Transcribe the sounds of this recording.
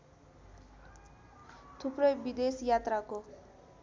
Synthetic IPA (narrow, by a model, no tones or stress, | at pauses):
t̪ʰuprʌjbid̪esjat̪rako